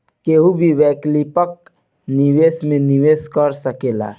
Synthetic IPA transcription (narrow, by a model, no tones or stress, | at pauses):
keɦubʱiʋɛklipək̚ | niwesmeniʋeskəɾsəkela̰